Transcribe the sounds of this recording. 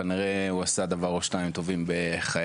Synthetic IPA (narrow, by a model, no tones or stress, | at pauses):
aniʁeuasad̪avaʁoʃnaimt̪ovimbeχa